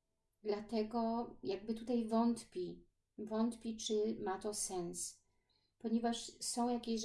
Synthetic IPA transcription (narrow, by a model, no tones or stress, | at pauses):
d̪lat̪ɛɡɔjaɡ̚bɘt̪ut̪ajvɔnt̪pʲi | vɔnt̪pʲit͡ʂɘmat̪ɔsɛns | pɔɲevaʂsɔ̃w̃jakʲeɕ